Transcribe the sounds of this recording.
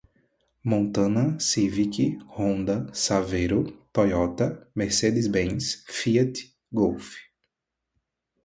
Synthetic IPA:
mõnt̪ɐ̃nɐsivikihõnd̪ɐsavejɾʊt̪ɔjɔt̪ɐmeɾsed̪ɪzbẽsfiɐt̪ | ɡowfi̥

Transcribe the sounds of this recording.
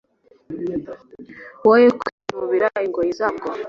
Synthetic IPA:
wojekimuβiɾaiŋɡojizabɡo

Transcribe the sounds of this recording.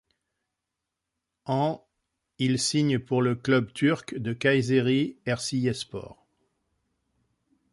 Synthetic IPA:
ɑ̃ | ilsiɲpuʁləklœbt̪ʰyʁkd̪əkajzeʁiɛʁsiɛspɔ̰ːʁ

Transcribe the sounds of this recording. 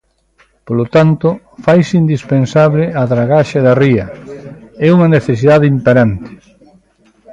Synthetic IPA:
polot̪ant̪ʊ | fajsind̪ispensaβlɪaðɾaɣaʃeðɐriɐ | ɛuŋɐneθes̬iðaðeimpeɾant̪ɪ̥

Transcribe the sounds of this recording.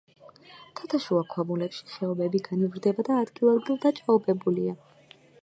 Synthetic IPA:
t̪ʰat̪ʰaʃuakʰɔmulɛpʃi̥χɛɔbɛbiɡanivɾd̪ɛbad̪aːd̪ɡilˠad̪ɡilˠd̪at͡ʃʼaɔbʼɛbulia

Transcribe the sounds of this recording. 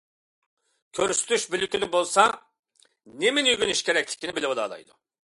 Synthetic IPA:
kʲʰøɾyst̪ʰyʃbilʲykʲilɪbolˠsɑ | neminyɡʲyniʃkʲʰeɾɛk̚ʲlʲɪ̥kʲʰːinɪbilʲɪwud̪ɑ̰ːd̪ɑ̰jd̪ʊ

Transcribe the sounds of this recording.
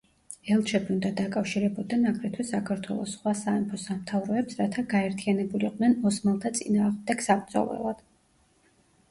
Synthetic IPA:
ɛlˠt͡ʃʰɛbiund̪ad̪akʼafʃiɾɛbɔd̪anakʼʰɾɛt̪ʰwisːakʰaɾt̪ʰwɛ̰lˠɔ̰sːχwasaɛmpʰɔsamt̪ʰavɾɔɛpsɾat̪ʰaɡaɛɾt̪ʰianɛbuliqʼnɛnɔsmalˠt̪ʰat̪sʼḭnaːʁmd̪ɛɡ̥sabɾd̪zɔ̰lˠɛ̰lˠad̪̥

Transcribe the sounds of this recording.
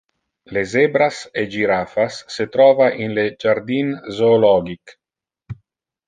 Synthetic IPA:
lezebɾased͡ʒiɾaːfasːet̪ɾɔːvaʔinled͡ʒaɾd̪inzoːlɔːɡik

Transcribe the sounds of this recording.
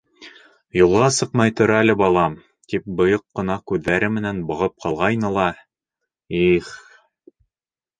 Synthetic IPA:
julˠʁɑsɤqmɑjt̪ŏɾæælɘbɑlˠɑm | t̪ip̚bɤ̆joqːɤ̆nɑkʉðːæɾɘmɘ̆nænbɤ̆ʁɤp̚qʰɑlˠʁɑjnɤlˠɑ | iχ

